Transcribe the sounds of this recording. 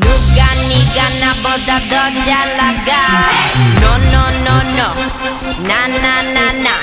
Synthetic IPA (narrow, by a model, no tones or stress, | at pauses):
nuɡaniɡanabɔd̪ad̪ɔd͡ʒalaɡa | nɔnɔnɔnɔ | nananana